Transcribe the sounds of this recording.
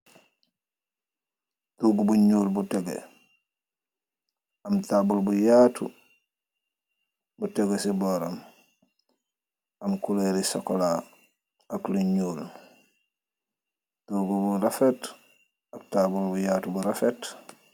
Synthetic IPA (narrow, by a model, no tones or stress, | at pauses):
tuːɡubuɲuːlbuteɡḛ | amtaːbulbujaːtṵ | buteɡesiboːɾam | amkuleɾisokolaː | akluɲuːl | tuːɡubuɾafet | ak̚tabulbujaːtubuɾafet